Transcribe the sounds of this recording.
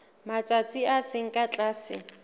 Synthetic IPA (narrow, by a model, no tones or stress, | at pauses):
mat͡sʼat͡sʼiasɪŋ̩kʼat͡ɬʼaːsɪ̰